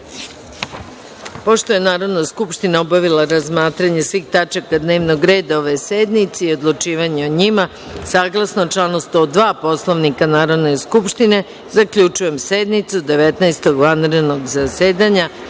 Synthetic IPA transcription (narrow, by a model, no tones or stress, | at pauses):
po̞ʃt̪o̞je̞naːɾo̞d̪naskupʃt̪inaobaʋilaɾazmaːt̪ɾaɲe̞sʋiːxt̪at͡ʃakad̪neːʋnoɡɾe̞ːd̪aoʋe̞sed̪nit̪seio̞d̪lˠut͡ʃiːʋaɲeoɲima | saːɡlˠasnot͡ʃlˠanust̪o̞d̪ʋaːpo̞slˠo̞ʋnikanaːɾo̞d̪ne̞skupʃt̪ine̞ | zakʎʲut͡ʃuje̞mse̞d̪nit̪sud̪e̞ʋet̪naest̪o̞ɡʋanɾed̪no̞ɡzaseːd̪aɲa